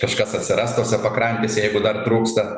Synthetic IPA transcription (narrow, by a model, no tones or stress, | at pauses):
kɐʃkɐsɐt̪ʲsʲɪɾɐst̪oːsʲɛpɐkɾɐnʲt̪ʲeːsʲɛjɛɪɡʊd̪ɐrt̪ɾuːkst̪ɐ